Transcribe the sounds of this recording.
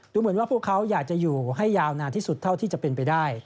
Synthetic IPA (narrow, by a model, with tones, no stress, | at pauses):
duː˧mɯ˩˦ə˦nwaː˥˩pʰu˥˩kʰːa˦˥wjaː˨˩k̚t͡ɕa˨˩juː˨˩ɦa˥˩jːaː˧wnaː˧nt̪ʰiː˥˩su˨˩t̪ʰːa˥˩wt̪ʰiː˥˩t͡ɕa˨˩pe˧np̬a˧jdaː˥˩j